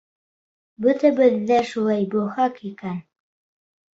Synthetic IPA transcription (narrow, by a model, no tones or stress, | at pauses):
bɵ̆t̪æbɘ̆ðːæʃulˠɑjbɵhɑkikæn